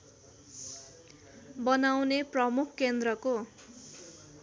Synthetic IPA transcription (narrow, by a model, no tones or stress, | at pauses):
bʌnawneprʌmukʰkːend̪rʌko